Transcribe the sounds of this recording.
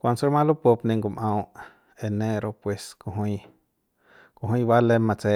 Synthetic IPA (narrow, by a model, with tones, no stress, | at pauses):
kʷa˧nso˦ɾmã˦lu˦po˧pnẽ˧˨ŋɡu˧˨mʔã˧w | e˨nẽ˦ɾo˧pwe˨sko˧ɦwĩ˧˦ | ko˧ɦĩ˦˧wa˦le˦mã˧t͡se˧˨